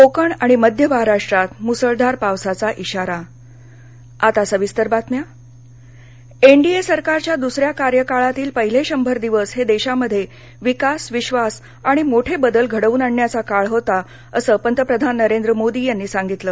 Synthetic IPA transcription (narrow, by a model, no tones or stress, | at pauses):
kokəɳaɽ̃iməd̪ʱjəʋəɦaɾaʂʈɾat̪musəɭd̪aɾpaʋsat͡saʔiɕaɾa | at̪asəʋist̪əɾbat̪mja | eɳɖiesəɾkaɾt͡ɕjad̪usɾjakaɾjəkaɭat̪iːlpəɦileɕəmbʱəɾd̪iʋəsɦed̪eɕaməd̪ʱːje | ʋikasʋiɕʋas | aɽ̃imoʈʰebəd̪əlɡʱəɽəʋuːnaɳːjat͡sakaɭɦot̪a | əsəːpənt̪ɾəpɾəd̪ʱanːəɾend̪ɾəmod̪iːjanːiːsaŋɡit̪ləː